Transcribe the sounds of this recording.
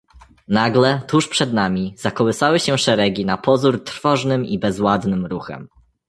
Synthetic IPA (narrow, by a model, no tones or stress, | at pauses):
naɡlɛt̪uʂpʂɛd̪namʲizakɔwɘsawɘɕɛʂɛɾɛɡʲinapɔzuɾt̪ɾfɔʐnɘmibɛzwad̪nɘmɾuxɛ̰m